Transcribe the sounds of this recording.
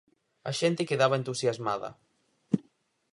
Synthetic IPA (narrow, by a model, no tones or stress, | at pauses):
aʃent̪ekeðaβaent̪usjazmaðɐ̰